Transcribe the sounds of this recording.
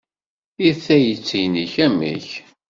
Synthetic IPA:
iθæjət͡sːijniçæmḭç

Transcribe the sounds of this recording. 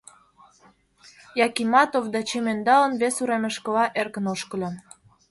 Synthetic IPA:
jɑkimɑt̪ovd̪ɑt͡ɕemend̪ɑlə̆nβesuɾemeʃkɤ̆lɑʔerkə̆noʃkə̆lʲɤn

